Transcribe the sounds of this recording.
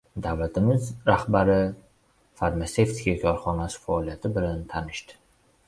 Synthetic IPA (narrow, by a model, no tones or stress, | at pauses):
d̪avlat̪ʰɪmɪzɾahbaɾɪ | faɾmase̞ft̪ʰɪ̥kʰʲakʲʰɒɾχɒnasɪ̥faɒlijat̪ʰɪbɪlant̪ʰanɪʃd̪ɪ̥